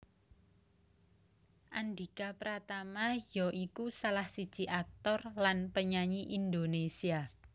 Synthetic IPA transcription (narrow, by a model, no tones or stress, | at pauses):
ʔand̪ikapəɾat̪amajɔʔikusalahsi̥ʒ̥i̤ʔak̚t̪ɔrlanpəɲaɲiʔind̪onesia